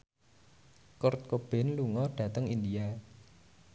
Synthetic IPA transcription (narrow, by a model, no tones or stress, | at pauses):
kʊrt̪̚kob̥ɛ̤nluŋɔɖ̥ä̤t̪əŋind̪ia